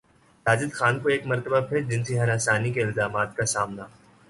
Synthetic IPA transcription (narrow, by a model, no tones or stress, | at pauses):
saːd͡ʒɪd̪xaːnkoeːkmɐɾt̪əbapʰɪɾd͡ʒɪnseɦɐɾaːsaːnikeɪlzaːmaːt̪̚kasaːmna